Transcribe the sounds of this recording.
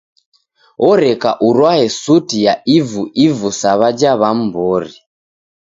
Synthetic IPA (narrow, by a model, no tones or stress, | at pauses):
ɔɾeka̰ʔurwaɦesutijaivuʔivusaβad͡ʒaβam̩bɔːri